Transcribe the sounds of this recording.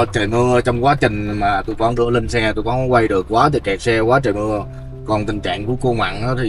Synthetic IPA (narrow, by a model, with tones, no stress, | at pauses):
t͡ɕe˨˩mɨ˧ət͡ɕɔ˧wŋ͡mkwaː˨˦t͡ɕï˨˩ŋ̟maː˨˩t̪u˧jkɔ˨˦nzɨ̰˧˥əli˧ŋ̟sɛ˧˩t̪u˧jkɔ˨˦ɔ˨˦kwa˧jɗɨ˨˩ək̚kwaː˨˦t̪ʰi˨˩kɛ˨˩k̚sɛ˧kwaː˨˦t͡ɕə˨˩mɨ˧ə | kɔ˨˩nt̪ï˨˩ŋ̟t͡ɕa̰ː˧˨ŋku˧˩əko˧ŋwa̰ː˧˨nʔaː˨˦˥t̪ʰi˨˩